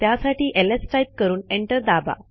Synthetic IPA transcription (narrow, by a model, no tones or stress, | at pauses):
t̪jasaʈiːʔelesʈɾaip̚kəɾuːneɳʈəɾd̪aba̰